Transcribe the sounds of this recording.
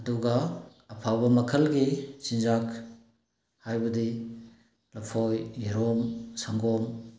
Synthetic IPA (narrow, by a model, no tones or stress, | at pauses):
ɐduɡɐːpʰawbɐmɐkʰɐlɡisinzak | hajbɐdi | lɐpʰɔjːiɾɔmsaŋɡɔm